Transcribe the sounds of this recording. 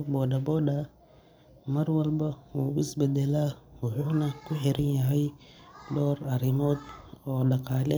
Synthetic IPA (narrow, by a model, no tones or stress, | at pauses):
bɔːdɐbɔːɗɐ | mɐɾwɐlbɐuːɪsbɛd̪ɛlaːwʊħuːnɐkʰʊħɛɾɪnjɐɦɛjdɔːɾɐɾɪmɔːd̪ɔːɗɐqaːlɛ